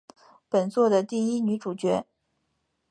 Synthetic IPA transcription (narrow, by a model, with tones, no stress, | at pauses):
pə˨˩nt͡swɔ˥˩d̪ə˩t̪i˥˩i˥ny˧˥ʈ͡ʂu˨˩t͡ɕɥɛ˧˥